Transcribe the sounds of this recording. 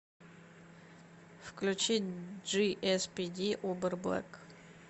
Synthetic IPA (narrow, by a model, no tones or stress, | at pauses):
fklʲʉt͡ɕitʲʐɨʔɛspʲid̪ʲiʔobɨrblˠa̰k